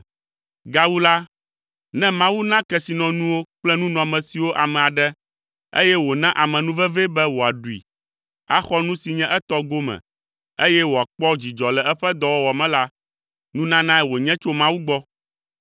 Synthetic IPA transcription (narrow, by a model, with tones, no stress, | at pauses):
ɡa˨wu˦la˦ | nɛ̃˦mã˦wu˦nã˦kɛ˦si˨nɔ̃˨nũ˦wo˦k͡plɛ˦nũ˦nɔ̃˨mɛ̃˨si˨wo˦ʔa˨mɛ̃˨a˨ɖɛ˦ | ḛ˦jɛ˦wo˨nã˦ʔa˨mɛ̃˨nũ˦vɛ˦vɛ˦bɛ˦wo˨a˨ɖu˨ḭ˨ | a̰˦xɔ˦nũ˦si˨ɲɛ̃˦ʔɛ˦t̪ɔ˦ɡo˦mɛ̰̃˨ | e˦jɛ˦wo˨a˨k͡pɔ˦d͡ʑi˨d͡ʒɔ˨lɛ˨ɛ˦ɸɛ˦d̪ɔ˨wɔ˦wɔ˨mɛ̃˦la˦ | nũ˦nã˦nã˦ɛ˦wo˨ɲɛ̃˦t͡ʃo˦mã˦wu˦ɡ͡bɔ˦